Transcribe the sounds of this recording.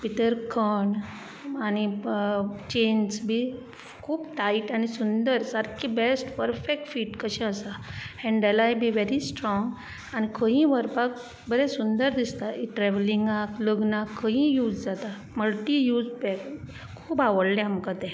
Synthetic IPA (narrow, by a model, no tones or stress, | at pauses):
pit̪əɾkʰəɳ | ani | t͡ɕensbʱi | kʰuːbʈaiʈañisund̪əɾsaɾkʰibesʈpəɾfek̚ʈfiːʈkəɕɛ̃əsaɛ̃ɳɖəlajbʱiʋeɾisʈɾɔŋɡ | añikʰə̃ɦĩʋəɾpak̚ | bəɾɛsund̪əɾd̪ist̪aiʈɾɛʋlĩŋɡakləɡnakʰːəɦĩjuːd͡zd͡zat̪a | məlʈijud͡zbɛk | kʰːuːbaʋəɽlɛ̃amkat̪ɛ̃